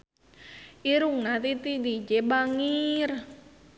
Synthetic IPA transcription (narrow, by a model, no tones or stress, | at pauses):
iɾuŋnat̪it̪idit͡ʃebaŋir